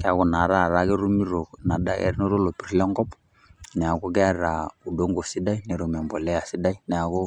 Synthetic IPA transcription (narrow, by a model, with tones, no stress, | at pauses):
kɛ˦a˨kɔ˨na˨ɾa˦˨ɾa˦kɛ˦ɾu˦mi˦ɾo˨na˨da˦kɛ̰˦ɾno˦ɾo˦lo˨pi˨ɾlɛ˦ŋɡɔ˦p | nɛ˨a˨ko˦kɛ˦a˦ɾa˨u˨do˦ŋɡo˨si˦da˦i˦nɛ˨ɾo˨m˨ɛ˨mbɔ˨lɛ˦a˨si˦da˦i˦nɛ˨a˨ko˦